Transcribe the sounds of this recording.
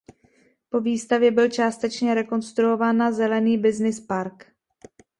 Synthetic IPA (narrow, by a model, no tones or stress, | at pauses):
po̞viːst̪avjɛbɪlt͡ʃaːst̪ɛt͡ʃɲɛɾɛko̞nst̪ɾuo̞vaːnazɛlɛniːbɪznɪspaɾk